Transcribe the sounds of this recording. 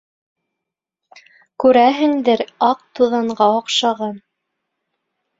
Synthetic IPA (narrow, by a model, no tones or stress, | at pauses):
kʉɾæɦɘ̆ŋd̪ɘɾɑq̚t̪uðɑɴɢɑŏqʃɑʁɑn